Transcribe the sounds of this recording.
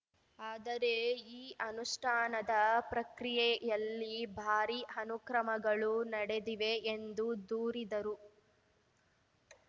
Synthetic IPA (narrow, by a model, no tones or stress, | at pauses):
aːd̪ɐɾe̞iːʔɐnuʂʈʰaːnɐd̪ɐpɾɐkɾijɛjɐlːibʱaːɾiɐnukɾɐmɐɡɐɭunɐɽed̪iʋe̞ːnd̪ud̪uːɾid̪ɐɾu